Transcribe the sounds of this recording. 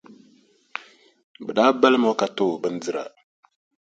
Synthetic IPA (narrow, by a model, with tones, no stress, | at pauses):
bə˨ɗa˦ba˦lmo˦ka˦to˦˨bə˦n˦d͡zɨ˦ɾa̰˨